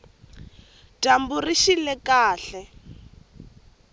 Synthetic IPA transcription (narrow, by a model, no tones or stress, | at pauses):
tamburiʃilɛkaːɬɛ